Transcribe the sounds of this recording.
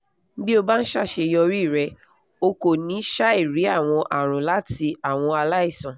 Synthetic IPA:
bi˦o˧ba˦ñ̩˦ʃa˦˨ʃe˧jɔ˧ɾi˦˨ɾɛ˧ | o˧ko˨nĩ˨˦ʃa˦i˦˨ɾi˨˦a˦˨w̃ɔ̃˧ʔa˨ɾ̃ɔ̃˨la˨˦ti˧a˦˨w̃ɔ̃˧a˧la˦i˦˨sã˨

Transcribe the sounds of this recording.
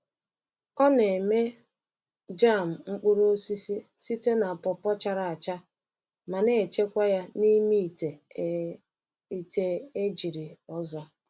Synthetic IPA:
ɔ˦ne˨me˦ | d͡ʒa˦˨m̩˨ŋ͡m̩˦k͡pu˦ɾo˦si˦si˦si˦te˦na˨pɔ˨pɔ˦t͡ʃa˦ɾa˨a˨t͡ʃa˦ | ma˨ne˦˨t͡ʃe˦kʷa˦ja˦ni˦mi˦˨te˨ | i˨te˦e˦d͡ʒi˨ɾi˨ɔ˦zɔ˦

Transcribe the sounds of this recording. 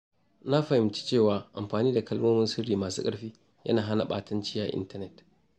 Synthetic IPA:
na˦ɸɐ˨hɪ˨˦mt͡ʃi̥˦t͡ʃeː˦˨waː˨ʔa̰˨mɸaː˨niː˦da˨kɐ˦lmoː˦mɪ˦nsʊ˦ɽiː˨maː˨sṵ˦kʼɐ˦ɸiː˦ | jɐ̰˦naː˨ɦa˦na˨ɓa̰ː˨tɐ˦nt͡ʃɪ˦jaː˨ʔɪ̰˦ntɐ˦nɛ˦˨t

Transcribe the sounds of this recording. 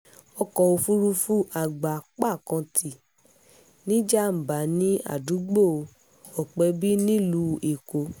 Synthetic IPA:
ɔ˧kɔ˧˨o˧fu˦ɾu˦fu˦ʔa˧˨ɡ͡ba˨k͡pa˦˨kã˧tʰi˨ | nĩ˦d͡ʒa˦m̩˨ba˨˦nĩ˦a̰˨du˨˦ɡ͡bo˦˨˧ | ɔ˨k͡pɛ˨˧˦bi˦nĩ˦lu˨˦e˨ko˧˦

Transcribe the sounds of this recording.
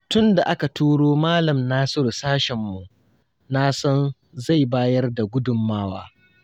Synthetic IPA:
tʊ˦nda˨ʔa˦ka˨tuː˦ɽoː˦maː˦lɐ˨mnaː˦sʊ˦˨rsaː˦ʃɛ˨mːu˨ʔ | na˦sɐ˦n | za˦˨jbaː˦jɐ˦rda˨ɡʷʊ˦dʊ˨mːaː˦waː˦

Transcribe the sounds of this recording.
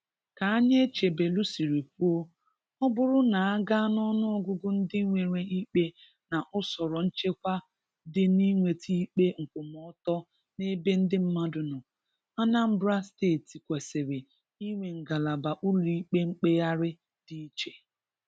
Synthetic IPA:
ka˨a˦ɲe˦t͡ʃe˨be˨lu˦si˨ɾi˨fu˦o˦ | ɔ˦bʊ˦ɾʊ˦na˨a˦ɡa˦nɔ˦nʊ˦ɔ˦ɡʊ˦ɡʊ˦n̩˦dɪ˦ŋʷe˨ɾʷe˨i˦k͡pe˦ | na˨ʔʊ˦sɔ˨ɾɔ˨n̩˦t͡ʃe˦kʷa˦ | dɪ˦ni˦ŋʷe˨tʰi˦k͡pe˦ŋ̩˨kʊ˨m˨ɔ˨˦tɔ˦ | ne˦be˦n̩˦dɪ˦m̩˦ma˦dʊ˨nʊ˨ | a˦na˦m̩˦bɾa˦steː˦˨ti˨kʷe˨sɪ˨ɾɪ˨ | i˦ŋʷe˨ŋ̩˨ɡa˨la˨ba˨ʔu˦li˨i˦k͡pe˦ŋ͡m̩˦k͡pe˦ja˦ɾɪ˦ | di˦i˦t͡ʃe̥˨

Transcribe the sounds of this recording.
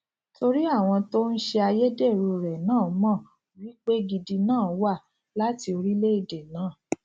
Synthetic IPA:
to˧ɾi˦a˦˨w̃ɔ̃˧to˦n̩˦ʃe˧a˧je˦de˦˨ɾu˧˨ɾɛ˨nãː˦˨˦mã˦˨ | wi˦k͡pe˦ɡi˧di˧nãː˦˨˦wa˦˨ | la˦ti˧o˧ɾi˦le˦i˦˨de˨nãː˨˦˨

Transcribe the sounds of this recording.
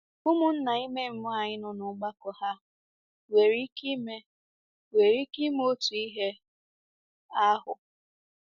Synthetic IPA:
ʊ˦mʊ˨n̩˦na˨i˦me˦m̩˦mʊ˦a˨ɲɪ˦nʊ˨nʊ˨ɡ͡ba˦kɔ˨ha˦ | we˨ɾi˦ki˦me˦ | we˨ɾi˦ki˦m˦o˦tu˨i˦ɦe˦ | a˦ɦʊ˨

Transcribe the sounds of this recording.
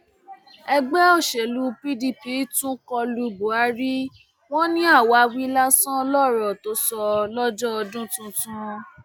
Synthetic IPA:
ɛ˧ɡ͡bɛ˦ɔ˦˨ʃe˨lu˧pi˦di˧pi˨˦tũ˦kɔ˧lu˧bo˨a˨˦ɾi˦ | w̃ɔ̃˦nĩ˦a˦˨wa˧˦wi˦la˦sã˦lɔ˦˨ɾɔ˨to˨˦sɔ˧lɔ˦d͡ʒɔ˦ɔ˧dũ˦tũ˧tũ˦

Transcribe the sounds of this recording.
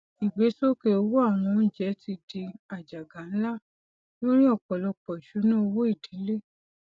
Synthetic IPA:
i˨ɡ͡be˨˦so˦ke˧o˧wo˦a˦˨w̃ɔ̃˧˦n̩˦d͡ʒɛ˨˦ti˧di˧a˨d͡ʒa˨ɡa˨˦n̩˦la˦˨ | lo˦ɾ̃ĩ˦ɔ˦˨k͡pɔ˨lɔ˧k͡pɔ˨i˨ʃu˨˦nũ˦o˧wo˦i˦˨di˨˦le˦

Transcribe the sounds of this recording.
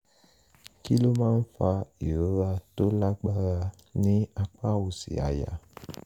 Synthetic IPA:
ki˦lo˦mã˦n̩˦fa˧i˨ɾo˦ɾa˧to˦la˦ɡ͡ba˧ɾa˧ | nĩ˦a˧k͡pa˦wu˨sḭ˨a̰˨ja̰˨

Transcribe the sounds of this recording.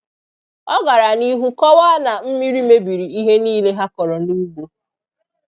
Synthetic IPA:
ɔ˦ɡa˨ɾa˨ni˦ɦu˦kɔ˦wa˦na˨m̩˦mi˦ɾi˦me˦bi˨ɾi˨i˦ɦe˦niː˦le˦ɦa˦kɔ˨ɾɔ˨n̩˦u˦ɡ͡bo˦

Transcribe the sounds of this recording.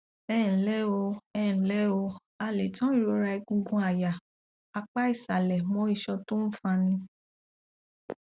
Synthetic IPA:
ɛ˦˨n̩˨lɛ˦o˧ɛ˦˨lɛ˦o˧ | a˨le˨tɔ̃˦ɾo˧ɾa˧i˧ɡũ˧ɡũ˧˦a˨ja˨ | a˧k͡pa˦i˦˨sa˨lɛ˨mɔ̃˨˦i˦˨ʃɔ˧to˦n̩˦fã˧nĩ˧

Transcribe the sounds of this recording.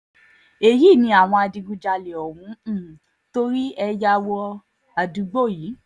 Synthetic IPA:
e˨ji˦˨nĩ˧˦a˨w̃ɔ̃˧a˧dĩ˧ɡũ˧d͡ʒa˧le˨ɔ˨wũ˨˦˨ | to˦ɾi˦ɛ˧ja˧wɔ˧ | a˨du˨˦ɡ͡bo˦˨ji˨˦

